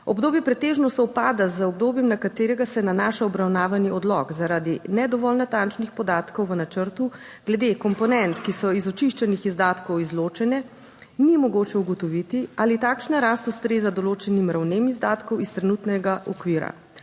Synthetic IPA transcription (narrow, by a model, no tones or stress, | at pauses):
ɔbd̪oːbjɛpɾɛt̪eːʒnɔst̪ɔwpaːd̪azəɔb̚d̪oːbjɛmnakat̪eːɾɛɡasɛnanaʃaɔbɾawnaːʋaniɔd̪lɔ̰kzaɾaːd̪inɛd̪ɔʋɔlnat̪ant͡ʃnixpɔd̪aːt̪kɔwʋənat͡ʃəɾt̪u | ɡ̥lɛd̪ekɔmpɔnɛnt̪kisɔizɔt͡ʃiʃt͡ʃɛnixizd̪aːt̪kɔwizloːt͡ʃɛnɛ | nimɔɡoːt͡ʃɛuɡɔt̪ɔʋit̪ialit̪akʃnaɾast̪ust̪ɾeːzad̪ɔloːt͡ʃɛnimɾawnemizd̪aːt̪kɔwist̪ɾɛnuːt̪nɛɡaʔɔkʋiːɾa̰